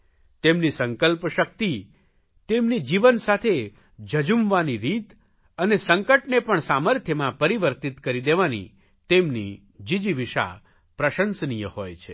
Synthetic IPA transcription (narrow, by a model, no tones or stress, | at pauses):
t̪emnisəŋkəlpʃək̚t̪i | t̪emnid͡ʒiʋənsat̪ʰe | d͡ʒəd͡ʒumʋaniɾit̪ | ənesəŋkəʈnepəɳsaməɾt̪ʰjəmãpəɾiʋəɾt̪it̪kəɾid̪eʋanḭ | t̪emni | d͡ʒid͡ʒiʋiʃa̰ | pɾəʃənsnijəhojt͡ʃʰe